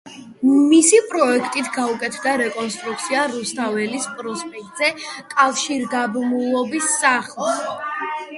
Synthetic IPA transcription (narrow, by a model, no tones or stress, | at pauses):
misipʼɾɔɛkʰt̪ʼit̪ʰɡaukʼɛt̪ʰvd̪aɾɛkʼɔnst̪ʼɾuk̚t̪sʰiaɾust̪ʰavɛlispʼɾɔspʼɛk̚ʼt̪ʼzɛkʼafʃiɾɡ̪abmulˠɔbisːaχlˠs